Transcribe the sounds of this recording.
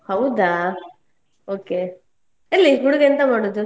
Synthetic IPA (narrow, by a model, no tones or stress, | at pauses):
hɐwd̪aː | oːke | elːiɦuɽuɡeɐnt̪ɐmaːɽoːd̪ːu